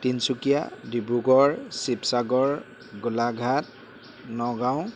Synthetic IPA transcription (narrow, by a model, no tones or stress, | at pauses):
tinsukija̰dibɹuɡɔɹsipsaɡɔɹ | ɡʊlaɡʱat̚ | nɔɡaw̃